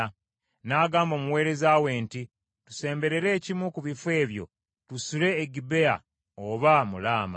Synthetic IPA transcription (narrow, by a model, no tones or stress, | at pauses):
naːɡaːmbo̞ːmuwe̞ːɾe̞zawe̞ːnti | tu̥se̞ːmbe̞ɾe̞ɾe̞ːcimwukuβifwe̞ːβjo̞̰ | tusule̞ːɡibe̞a̰ | oβamulaːma̰